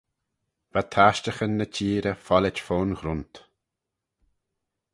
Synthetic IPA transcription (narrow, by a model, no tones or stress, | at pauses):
vat̪ʰaʃtəxənːət͡ʃʰiːɾəfɔlɪt͡ʃfoːnxɾʊnt̪